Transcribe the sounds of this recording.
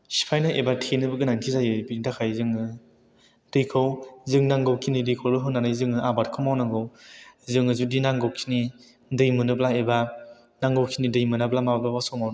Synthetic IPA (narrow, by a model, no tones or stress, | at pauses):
si̥pʰajnaʔebatʰenɯbɯɡɯnaŋtʰizajɯbinitʰakʰajzɯŋɯ | d̥ɯjkʰɯwzɯŋnaŋɡɯwkʰinidɯjkʰowbɯɦɯnːanɯjzɯŋɯabat̚kʰɯwmawnaŋɡɯwzɯŋɯzudinaŋɡɔwkʰini | dɯjmɯnɯblaeba | naŋɡowkʰinidɯjmɯnablamabblabasɔmawn